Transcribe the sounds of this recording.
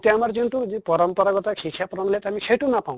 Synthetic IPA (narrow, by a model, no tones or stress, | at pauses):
t̪jamaɾd͡ʒiɳʈud͡ʒipɔɾɔmpɔɾaɡɔt̪akʰikʰjapɾɔnlet̪ɦamikʰeʈunapaũ